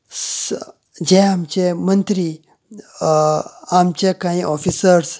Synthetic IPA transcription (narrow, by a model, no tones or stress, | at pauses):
s | d͡ʑeamt͡ɕemənt̪ɾi | amt͡ɕekaĩʔɔfisəɾs